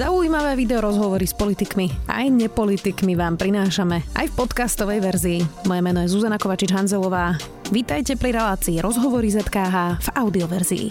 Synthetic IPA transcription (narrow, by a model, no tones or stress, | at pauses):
zauimaʋɛːʋid̪ɛɔɾɔzɦɔʋɔɾispɔlit̪ikmia̰jɲɛpɔlit̪ikmiʋaːmpɾinaːʃamɛa̰jfpɔt̪kast̪ɔʋɛjʋɛɾziːmɔjɛmɛnɔjɛzuzanakɔʋat͡ʃid͡ʒɦanzɛlɔʋaː | ʋit̪ajcɛpɾiɾɛlaːt͡siːɾɔzɦɔʋɔɾizɛt̪kaːɦaːv̥aʊd̪iɔʋɛɾzḭḭ